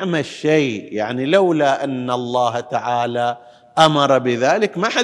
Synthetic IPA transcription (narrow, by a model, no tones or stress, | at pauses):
ʕmaʃːaːjaʕnilawlaʔanːalˤːɑːht̪aʕaːla | ʔamɑɾˤɑbɪðaːlɪkmaħa